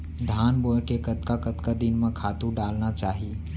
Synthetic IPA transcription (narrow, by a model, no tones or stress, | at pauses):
d̪ʱaːnboɦkekət̪kakət̪kad̪ɪnmẽkʰaːt̪ũɖaːlnat͡ʃaːɦi